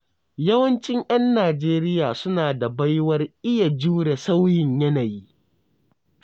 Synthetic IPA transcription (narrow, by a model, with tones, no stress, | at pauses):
jɐ˦wɐ˦nt͡ʃɪ˦ɲj̰ɐ˦nːaː˨d͡ʒeː˦ɾɪ˦jaː˨sʊ˦naː˨da˨ba˦jwɐ˦rʔɪ˦ja˨d͡ʒuː˦ɽe˨sa˦wjɪ˨ɲjɐ˦naː˨jiː˦